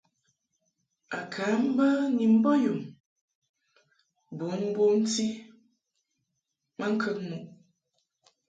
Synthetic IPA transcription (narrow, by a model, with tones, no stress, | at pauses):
a˨kʰa˨˦m̩˦bə˦ni˨m̩˦bɔ˦ju˨m | bo˨˦m̩˦bo˦n̩˦ti˦ | ma˦ŋ̩˦kʰə˦ŋmu˨ʔ